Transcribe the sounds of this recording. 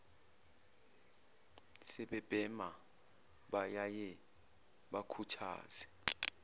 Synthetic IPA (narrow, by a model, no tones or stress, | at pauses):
sɛɓɛb̥ʼɛma | ɓajajɛ | ɓakʰutʰa̰ːz̥ɛ̥